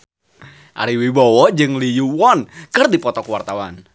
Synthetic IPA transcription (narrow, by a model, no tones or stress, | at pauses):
ʔa̰ɾiwibɔwɔd͡ʒɨŋlijuwɔnkɨrdipɔt̪ɔkwart̪awan